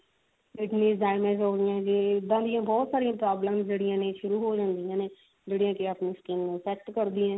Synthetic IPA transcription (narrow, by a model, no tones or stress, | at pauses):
ɪʈniːɖaːɪmẽːzɦoːɡɪjãd͡ʒeːd̪ːãːd̪ɪjãːbɔːt̪saːɾijãːpɾaːbləmsd͡ʒeːɽɪjãːneːʃʊɾuːɦoːd͡ʒãːnd̪ijãːneː | d͡ʒeːɽijãːkeaːpneːskiːnnẽːsɛːk̚ʈkəɾd̪ĩːãː